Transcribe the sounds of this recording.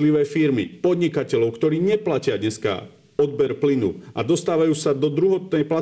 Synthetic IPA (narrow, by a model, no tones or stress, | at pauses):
liʋɛːfiɾmḭpɔd̪ɲikacɛʎɔʊkt̪ɔɾiːɲɛplacɪad̪ɲɛska̰ | ɔd̪bɛɾplinṵʔa̰d̪ɔst̪aːʋajuːsad̪ɔd̪ɾuɦɔt̪̚nɛjpla